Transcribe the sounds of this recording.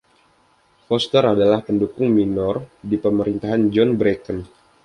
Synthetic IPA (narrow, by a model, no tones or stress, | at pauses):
fɔst̪əɾadalahpəndukʊŋminɔrdipəməɾint̪aɦand͡ʒɔnbɾekən